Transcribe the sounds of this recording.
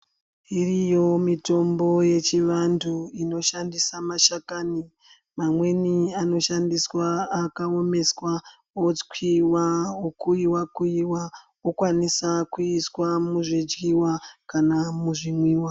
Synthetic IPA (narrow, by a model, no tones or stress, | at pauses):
irijo̞mito̞mbo̞je̞t͡ʃiʋandʰuino̞ʃandisamaʃakani | mamwe̞niano̞ʃandiswaːkaome̞swa | okʰiwaokuiwakuiwa | okwanisakuiswamuʐid͡ʒɡiwakanamuʐimwiːwa